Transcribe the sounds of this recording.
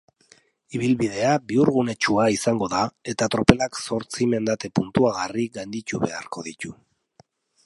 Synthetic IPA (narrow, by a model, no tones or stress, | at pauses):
iβilβið̞e̞abiuɾɣune̞t͡ʃuaisaŋɡo̞ðae̞t̪at̪ɾope̞lakso̞ɾt͡sime̞nd̪at̪e̞punt̪uaɣariɣajnd̪it̪uβe̞̰aɾko̞ðit̪u